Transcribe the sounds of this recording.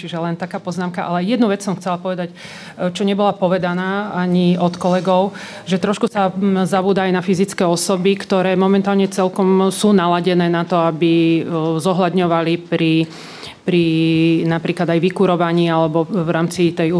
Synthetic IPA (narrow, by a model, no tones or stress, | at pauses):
t͡ʃiʒɛlɛnt̪akaːpɔznaːmkaʔalɛjɛd̪nuʋɛt͡ssɔmxt͡sɛlapɔʋɛd̪ac | t͡ʃɔɲɛbɔlapɔʋɛd̪anaːaɲiɔt̪kɔlɛɡɔʊ | ʒɛt̪ɾɔʃkusazabuːd̪aajnafizit͡skɛɔsɔbikt̪ɔɾɛːmɔmɛnt̪aːlɲɛt͡sɛlkɔmsuːnalaɟɛnɛːnat̪ɔabizɔɦlad̪ɲɔʋalipɾi | pɾinapɾiːklad̪ajʋikuɾɔʋaɲiːalɛbɔvɾaːmt͡sit̪ɛju